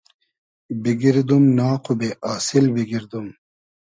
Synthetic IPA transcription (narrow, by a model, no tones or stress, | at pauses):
biɡiɾd̪umnaːqubeʔaːsilbiɡiɾd̪um